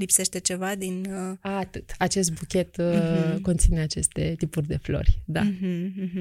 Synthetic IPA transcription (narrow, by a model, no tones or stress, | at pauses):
lipse̞ʃt̪e̞t͡ʃe̞vad̪inaːt̪ɨt̪at͡ʃe̞s̬t̪̚bukʲe̞t̪ko̞nt̪sine̞at͡ʃe̞st̪e̞t̪ipurʲd̪e̞flo̞̰rʲd̪a̰ɦ̩ɦ